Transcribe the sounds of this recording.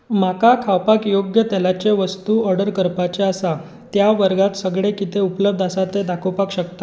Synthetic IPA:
makakʰawpakjoɡjət̪elat͡ɕeʋəst̪uəɾɖəɾkəɾpat͡ɕeasa | t̪jaʋəɾɡat̪səɡɭekit̪ʰeupləb̚d̪ʱasat̪ed̪akʰopakɕəkt̪ḁ

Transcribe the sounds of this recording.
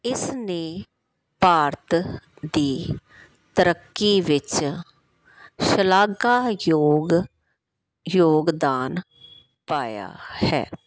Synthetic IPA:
ɪsneː | paːɾt̪ | d̪iː | t̪əɾəkːiːʋɪt͡ʃ | ʃəlaːɡaːjoːɡ | joːɡd̪aːn | paːja̰ːhɛ̰ː

